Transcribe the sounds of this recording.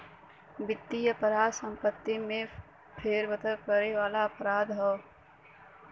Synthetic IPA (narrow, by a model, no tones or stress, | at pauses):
bɪt̪ːijəpəɾaːd̪sə̃mpət̪ːimẽ | pʰeːɾʋət̪əɾkəɾeʋaːlaɐpɾaːd̪ɦɔː